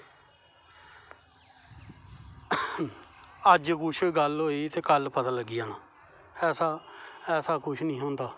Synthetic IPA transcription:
əd͡ʒkʊt͡ʃʰɡəlɦoːiːt̪eːkəlpət̪aːləɡːɪjaːnaː | ɛːsaːɛːsaːkʊt͡ʃʰnĩːɦõːnd̪aː

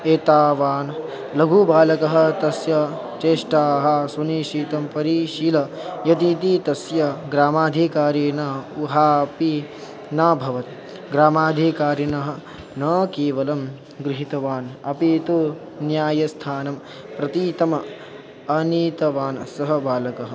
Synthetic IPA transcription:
eːt̪aːʋaːn | lɐɡʱubaːlɐkɐɦɐ̆t̪ɐsjɐ | t͡ʃeːʂʈaːɦɐ̆sʋɐniːʃiːt̪ɐmpɐɾiːʃiːlɐjɐt̪iːt̪iːt̪ɐsjɐɡɾaːmaːd̪ʱikaːɾiːnɐuɦaːpi | naːbʱɐʋɐt̪ | ɡɾaːmaːd̪ʱikaːɾinɐɦɐ̆ | nɐːkeːʋɐlɐm | ɡɾiɦit̪ɐʋaːnɐpit̪u | njaːjɐst̪ʰaːnɐm | pɾɐt̪iːt̪ɐmɐ | ɐniːt̪ɐʋaːnsɐɦɐbaːlɐkɐɦɐ̆

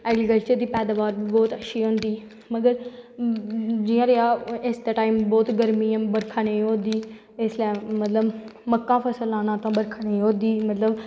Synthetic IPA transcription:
ɛːɡɾikəlt͡ʃəɾd̪iːpɛːd̪aːʋaːɾbɔːt̪əʃʰiːɦõːnd̪iː | məɡəɾ | d͡ʒɪjãːɾeaːɪsd̪aːʈaːimbɔːt̪ɡəɾmiːãːbəɾkʰaneĩɦõːd̪iː | ɪslɛːmət̪ləb | məkːãːpʰəsəlaːnãːt̪ãːbəɾkʰːnẽːɦõːd̪iːmət̪ləb

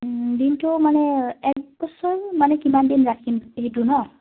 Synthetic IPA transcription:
dintʊmanɛɛk̚bɔsɔɹmanɛkimandinɹatʰkimeɦitunɔ

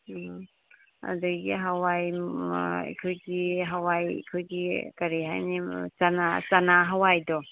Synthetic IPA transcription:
a̰duɡiɦawaj | ḛkʰojɡiɦawaj̰kʰojɡikɐɾiɦa̰jnisanat͡ʃanaɦawajdɔ

